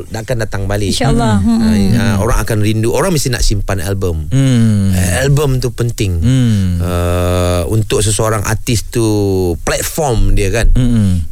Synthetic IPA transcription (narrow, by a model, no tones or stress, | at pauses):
dakandat̪aŋbalɪnʃaːɑəoɾaŋakanɾinduʔoɾaŋmist̪ɪna̰ʔsimpana̰lbəm | albəmt̪upənt̪ɪŋ | ə | unt̪ʊk̚s̬əsəoɾaŋʔa̰t̪ɪst̪uplɛt̪̚fɔrmdiəkan